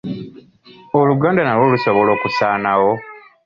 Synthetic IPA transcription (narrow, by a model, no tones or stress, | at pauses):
oluɡaːndanaloːluso̞βo̞lo̞ːkusaːnawo̞